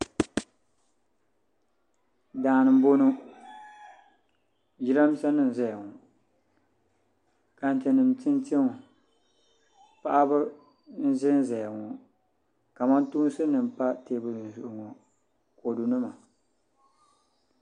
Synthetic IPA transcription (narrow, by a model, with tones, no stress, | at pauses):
daː˨nɨ˨m˦bo˦nu˦ | ji˦ɾa˦m˦sa˦nɨ˨n˨za˨ja˨ŋɔ˨ | ka˨n̩˨tɨ˨nɨ˨m˨tɨ˦nti˦ŋ˨ | pa˦ʔa˦bɨ˦ | n̩˦zɪ˦n˦za˨ja˨ŋɔ˨ | ka˨ma˦ntuː˦n˦sɨ˦nɨ˨m˨pa˦teː˦˨bɨ˦˨n˨zʊ˨ʔʊ˨ŋɔ˨ | ko˨du˨nɨ˦ma˨